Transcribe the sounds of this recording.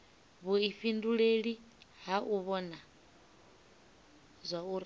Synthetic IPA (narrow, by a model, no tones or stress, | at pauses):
βuiɸinduɺeɺi | ɦaʔuβɔna | zʷauɾ